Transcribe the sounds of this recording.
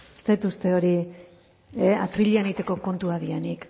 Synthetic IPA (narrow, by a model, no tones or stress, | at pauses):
est̪e̞t̪ust̪e̞o̞ɾi | at̪ɾiʎianit̪e̞ko̞ko̞nt̪uaðienik